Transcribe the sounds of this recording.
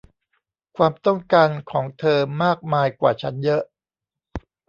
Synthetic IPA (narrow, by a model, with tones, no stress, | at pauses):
kʰwaː˧mt̪ɔ˥˩ŋkaː˧nkʰɔː˩˦ŋt̪ʰɤː˧maː˥˩k̚maː˧jkwa̰ː˨˩t͡ɕʰa˦˥njɤ˦˥ʔ